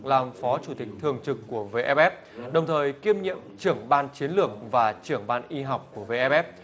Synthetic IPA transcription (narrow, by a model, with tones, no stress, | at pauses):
laː˨˩mfɔ˨˦t͡ɕu˧˩t̪ï˨˩k̟̚t̪ʰɨ˨˩əŋt͡ɕɨ˨˩kːu˧˩əve˧ʔɛ˧ɓʔɛ˦˥p̚ | ɗə˨˩wŋ͡mt̪ʰəː˨˩jki˧əmɲḭ˧˨əmt͡ɕɨ˧˩əŋɓaː˧nt͡ɕi˨˦ənlɨ˧˩ək̚vaː˨˩t͡ɕɨ˧˩əŋɓaː˧nʔi˧ɦa˨˩wk͡p̚ku˧˩əve˧ʔɛ˧ɓɛ˦˥p̚